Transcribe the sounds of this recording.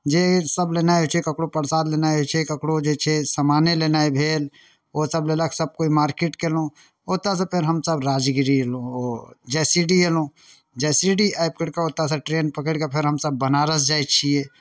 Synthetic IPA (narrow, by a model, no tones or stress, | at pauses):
d͡ʒesəblenajɦot͡ʃʰekəkɽopəɾsaːd̪lenaeɦot͡ʃʰekəkɽod͡ʒet͡ʃʰesəmanelenaebʱeːl | osəblelaksəb̚koimaːɾkeʈkelõ | ot̪as̬epʰeɾɦəmsəbɾaːd͡ʒɡiɾielõod͡ʒɛsiɖielõ | d͡ʒɛsiɖiaɪp̚kəɽkaoːt̪aseʈɾenpəkəɽkapʰeɾɦəmsəbːənaɾəsd͡ʒajt͡ʃʰie